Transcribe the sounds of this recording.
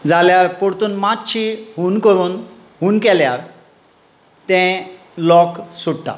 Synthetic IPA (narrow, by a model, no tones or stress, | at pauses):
d͡zaljaɾkoɽt̪uːnmat̪ɕiɦunkəɾuːn | ɦunkɛljaɾ | t̪ɛ̃ | lɔksuɽʈ̪a̰